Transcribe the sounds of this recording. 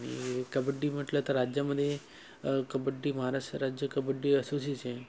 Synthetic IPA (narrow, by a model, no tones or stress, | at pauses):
ɽ̃ḭkəbəɖːiːm̤əʈlət̪əɾɾad͡ʑjaməd̪ʱːje | kəbəɖːiːməɦaɾaʂʈɾəɾad͡ʑjəkəbəɖːiːəsusit͡ɕẽ